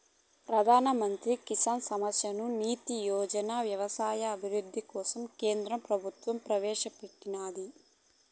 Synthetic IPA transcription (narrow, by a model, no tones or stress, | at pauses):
pɾɐd̪ʱaːnɐmɐnt̪ɾikisaːnsɐmɐsjɐnuniːt̪ijɔːd͡ʒɐnaʋjɐʋɐsaːjɐːbʱiʋud̪ʱːikɔːsɐmkeːnd̪ɾɐpɾɐbʱut̪ʋɐmpɾɐʋɛːʃɐpɐʈtːinaːd̪i